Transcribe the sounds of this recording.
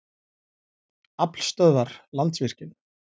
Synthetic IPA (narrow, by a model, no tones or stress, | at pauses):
apl̥st̪œːðaɾ̥lant̪svɪr̥cɪn